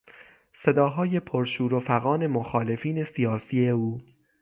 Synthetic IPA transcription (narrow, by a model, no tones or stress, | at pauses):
se̞d̪ɒːɦɒːje̞pʰoɾʃuːɾofæɣɒːne̞moxɒːle̞fiːne̞sijɒːsiːe̞uː